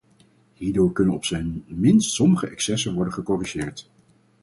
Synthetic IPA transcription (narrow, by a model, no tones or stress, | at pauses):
ɦiːɹdʊːɹkɵnənɔpsɛjnmɪnstsɔməχəʔɛksɛsənʋɔɹdəχəkɔriʒɪːɹt